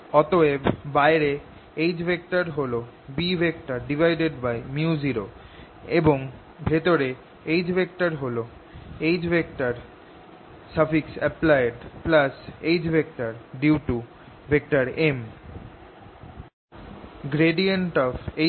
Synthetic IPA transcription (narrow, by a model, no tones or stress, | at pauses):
ɔt̪oebbajɾe | ejd͡ʑbʱek̚ʈaɾɦolo | bibʱek̚ʈaɾɖibʱajɖeɖbajmjuziɾo | eboŋ | bʱet̪oɾe | ejd͡ʑbʱek̚ʈaɾɦolo | ejd͡ʑbʱek̚ʈaɾ | safiksɛplajeɖplasejd͡ʑbʱek̚ʈaɾɖiuʈu | bʱek̚ʈaɾem | ɡɾeɖieɳʈɔbe